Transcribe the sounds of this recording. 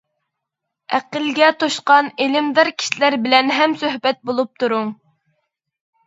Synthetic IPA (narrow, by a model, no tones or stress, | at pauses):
æqəlɡʲɛt̪ʰoʃqɑnelɪmd̪ɪɾkʲʰi̥ʃilæɾbɪlɛnɦɛmsøhbɛt̪̚bolˠup̚t̪ʰuɾʊŋ